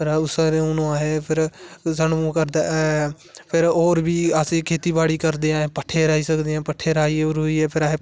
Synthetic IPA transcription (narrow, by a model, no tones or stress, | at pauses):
pʰɪɾʊsɾeʊnõaːɦeːpʰɪɾzənmũːkəɾd̪a | pʰɪɾoːɾbʱiːasĩkʰeːt̪iːbaːɽiːkəɾd̪eːãːẽːpəʈʰeːɾaːiːsəkd̪eːãːpəʈʰeːɾaːiːeoɾɦoːiːɦɛːpʰɪɾaːɦeː